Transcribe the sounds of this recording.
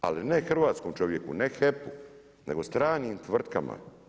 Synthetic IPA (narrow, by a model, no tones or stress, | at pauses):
a̰linexr̩ʋaːt̪skomt͡ʃo̞ʋjekunexepu | neɡost̪ɾaːniːmt̪ʋr̩t̪kama̰